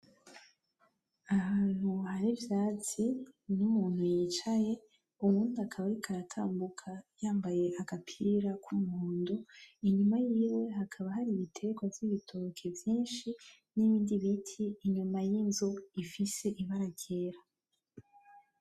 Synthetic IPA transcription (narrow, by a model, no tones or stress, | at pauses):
ahaːn̥huhaɾivjaːt͡sinumuːn̥hujit͡ʃaje̞ | umuːnduakʰaβaɾikʰaɾatʰaːmbukʰajaːmbaje̞ʔaɡ̥apʰiɾakʰumuuːnduiɲumajiːwe̞ɦakʰaβaɦaɾiβitʰe̞ɡwavjiβitʰokʰe̞vjiːnʃi | niβiːndiβitʰiːɲumajinzo̞ifise̞ʔiβaɾaɡeːɾa